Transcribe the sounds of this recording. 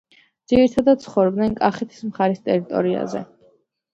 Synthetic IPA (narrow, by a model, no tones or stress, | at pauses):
d̪z̥iɾit̪ʰad̪at̪̚t̪sʰχɔvɾɔbd̪nɛnkʼaχɛt̪ʰi̥smχaɾist̪ʼɛɾit̪ʼɔ̰ɾia̰zɛ̰